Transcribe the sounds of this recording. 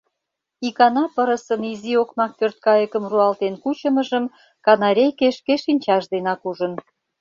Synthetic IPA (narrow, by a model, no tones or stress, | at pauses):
ikɑnɑpəɾəsəniziokmɑk̚pørt̪̚kɑjəkəmruɑlt̪enkut͡ɕə̆mə̆ʒəm | kɑnɑɾʲejkeʃkeʃinʲt͡ɕɑʃd̪enɑkuʒən